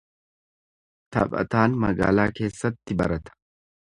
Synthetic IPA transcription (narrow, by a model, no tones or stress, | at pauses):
t̪ɐ̰pʼɐ̰t̪aːnmɐɡa̰ːlaːke̞ːsːɐt̪ːɪbɐɾɐt̪ɐ̥